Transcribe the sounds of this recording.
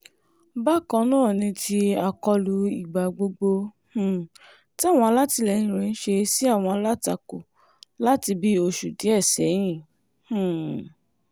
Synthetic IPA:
ba˦˨kã˧nã˦˨nĩ˧tʰi˧a˨kɔ˧lu˨˧˦i˨ɡ͡ba˨ɡ͡bo˧ɡ͡bo˧ | h̩˦˨ | tw̃ɔ̃˧a˧la˦ti˧lɛ˨nĩ˧˨ɾɛ̃˨˧ñ̩˦ʃe˧˦si˦a˦˨w̃ɔ̃˧a˧la˦ta˧˨ko˨ | la˦ti˧bi˦o˧ʃu˨di˨˦ɛ˦˨sɛ˨˦j̃ĩ˦˨ | h̩˨

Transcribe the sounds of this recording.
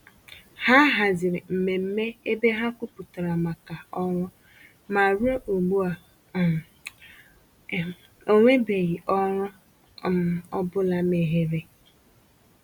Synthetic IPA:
ha˦ɦa˨zɪ˨ɾɪ˨m̩˨me˨m̩˦me˦e˦be˦ɦa˦kʷu˦pʊ˨ta˨ɾa˨ma˨ka˨ɔ˦ɾʊ˦ | ma˨ɾu˦e˦ʔo˨ɡ͡bu˦a˨ | o˦ŋʷe˦be˨ɣi˨ʔɔ˦ɾʊ˦ | ɔ˦bʊ˦la˦me˨ɦe˦ɾe˦

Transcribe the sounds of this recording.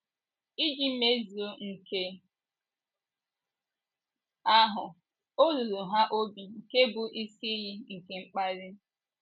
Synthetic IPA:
i˦d͡ʒi˨m̩˦me˦zi˨o˦ŋ̩˨ke˦ | a˦ɦʊ˨ | o˦ɾu˨ɾu˨ɦa˦ʔo˦bi˨ŋ̩˨ke˦bʊ˨ʔi˦si˦i˦ji˦ŋ̩˨ke˨ŋ͡m̩˦k͡pa˦ɾɪ˦

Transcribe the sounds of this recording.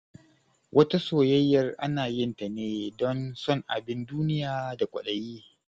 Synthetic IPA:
wʔɐ˦ta˦soː˨jɐ˦jːɐ˨rʔa̰˦naː˨jɪ˦nta˨neː˦dɔ˦nsɔ˦˨ŋʔa̰˨bɪ˦nduː˦nɪ˦jaː˨da˨kʷʼɐ̰˨ɗɐ˨jiː˦

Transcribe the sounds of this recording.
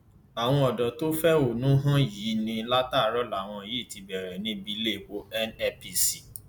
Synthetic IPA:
a˨w̃ɔ̃˧ɔ˨dɔ˨to˦fɛ˦o˨nũ˦ɦã˦ji˨˦nĩ˧la˦taː˦˨˦ɾɔ˦la˨w̃ɔ̃˧˨je˦˨ti˧bɛ˨ɾɛ˨nĩ˦bi˧˦le˦˨wo˧ɛ˦nɛ˦pi˧si˨

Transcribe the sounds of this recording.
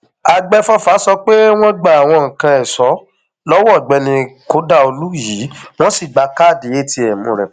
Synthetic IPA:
a˧ɡ͡bɛ˦fɔ˦fa˨˦sɔ˧k͡pe˦w̃ɔ̃˦ɡ͡ba˨a˨w̃ɔ̃˧˨ŋ̩˨kã˧ɛ˨sɔ˨˦ | lɔ˦wɡ͡bɛ˧nĩ˧ko˦da˦˨o˧lu˦jiː˨˦w̃ɔ̃˦si˦˨ɡ͡ba˧ka˦˨de˨e˦ti˧ɛ˨mũ˨ɾɛ˨

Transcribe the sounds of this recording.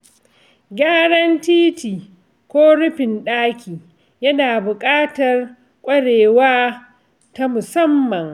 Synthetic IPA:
ɡaː˦ɽɐ˦ntiː˦tiː˨ | kʷoː˦ɽʊ˦ɸɪ˨nɗaː˦kʲʰiː˨ | jɐ˦naː˨bʊ˨kʼaː˦tɐ˨r | kʷʼɐ˦ɽeː˨waː˦ | ta˦mʊ˨sɐ˦mːɐ˨ŋ

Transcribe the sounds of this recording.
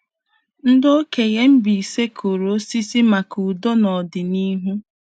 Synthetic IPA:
n̩˦do˦ke˨ɣe˦m̩˦bi˨i˨se˦kʰo˨ɾo˨˦si˦si˦ma˨ku˨do˦nɔ˨dɪ˨ni˦ɦu˦

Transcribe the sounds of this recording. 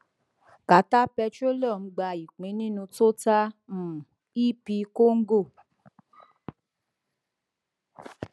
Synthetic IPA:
ka˨ta˦pɛ˧t͡ʃo˦lɔ˦˨m̩˧˦ɡ͡ba˧i˨k͡pĩ˨˦nĩ˦nũ˧to˦ta˦m̩˨ | i˦pi˧ko˦ŋ̩˦ɡo˦˨

